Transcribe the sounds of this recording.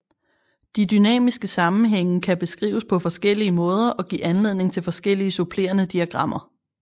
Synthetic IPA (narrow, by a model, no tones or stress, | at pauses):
d̥idynɛ̰ːmisɡ̥əsɑ̈mn̩ɦeŋ̰n̩kʰæb̥e̝sɡ̥ʁḭːʊspʰɒ̽fɒ̽sɡ̥el̰iəmɔ̽ːð̞ˠɐʔɒ̽ɡ̥ḭːænle̝ð̰ˠne̝ŋt͡sʰe̝lfɒ̽sɡ̥el̰iəsupʰle̝̰ːɐnəd̥iæɡ̥ʁɑ̈m̰ɐ